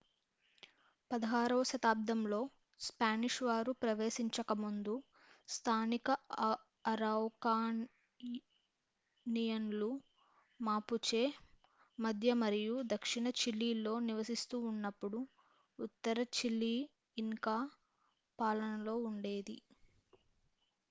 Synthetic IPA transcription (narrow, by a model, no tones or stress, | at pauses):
pɐd̪ɐɦaːɾɐʋʃɐt̪aːb̚d̪ɐmlo̞ː | spaːniʂʋaːɾupɾɐʋe̞ːsiɲt͡ʃɐkɐmund̪u | st̪ʰaːnikɐ | ɐɾawkaː | nijɐnlu | maːput͡ʃeː | mɐd̪ʱjɐmɐɾijud̪ɐkʂiɳɐt͡ʃilːiːlːo̞ːniʋɐsist̪uːnːɐpːuɽuː | t̪ːɐɾɐt͡ʃilːiː | ŋkaː | paːlɐnɐlo̞ːuɳɖe̞ːd̪ḭ